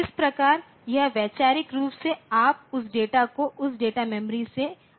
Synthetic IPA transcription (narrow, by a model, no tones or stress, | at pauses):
ɪspɾɐkaːɾ | jɐɦʋɛːt͡ʃaːɾɪkɾuːpseaːp̚ʊsɖeːʈakoʔʊsɖeːʈamɛ̃məɾise